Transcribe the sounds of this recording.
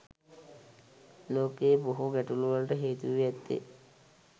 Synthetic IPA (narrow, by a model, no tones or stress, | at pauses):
loːkeːboɦuɡæʈuluʋalʈəɦeːt̪uʋiɛt̪ːḛ